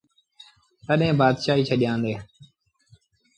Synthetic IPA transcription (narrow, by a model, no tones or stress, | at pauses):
t̪əɗɦẽːbaːd̪ʃaːɦiːt͡ʃʰəɗɪjãːnd̪eː